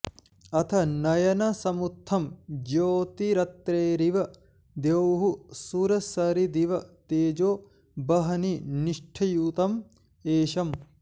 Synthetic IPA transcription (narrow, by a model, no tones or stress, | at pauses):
ɐt̪ʰɐnɐjɐnɐsɐmut̪ʰːɐmd͡ʒoːt̪iɾɐt̪ɾeːɾiʋɐ | d̪ewɦusuɾɐsɐɾid̪iʋɐt̪eːd͡ʒoː | bɐɦɐniniʂʈʰɐjuːt̪ɐm | eːʃɐm